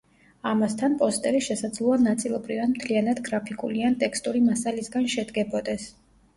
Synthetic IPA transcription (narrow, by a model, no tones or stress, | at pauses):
amast̪ʰanpʼɔst̪ʼɛbiʃɛsad̪zlˠuanat̪sʼilˠɔbɾivanmt̪ʰlianad̪ɡɾapʰikʼuliant̪ʼɛkst̪ʼuɾimasalisɡanʃɛd̪ɡɛbɔd̪ɛs